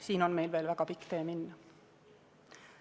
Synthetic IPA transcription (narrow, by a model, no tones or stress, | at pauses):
siːnonmeilʋeːlʋækɑpikt̪eːminːæ